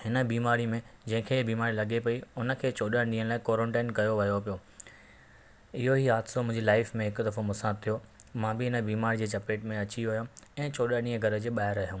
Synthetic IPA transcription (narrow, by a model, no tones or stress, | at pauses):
hɪnə̆biːmaːɾimẽd͡ʑɐ̃ɦɪ̃kʰeːbiːmaːɾilɐɡepɐiʊnə̆kʰeːt͡ɕʰoːɗəɽɗĩːɦə̃ñlaːɪkoːɾə̃ɳʈaːnkɐjoʋɐjopijoː | ɪɦoɦiɦaːd̪somʊ̃ɦɪ̃d͡ʑilaːɪfmẽɦɪkʊ̆d̪ɐfomʊsãt̪ʰːijomãːbɪɪnə̆biːmaːɾid͡ʑeːt͡ɕɐpeːʈmẽɐt͡ɕiʋʊjõɛ̃ːt͡ɕʰoːɗəɗĩːə̃ɡʱɐɾə̆d͡ʑeːɓaːɦɪɾɐɦjũː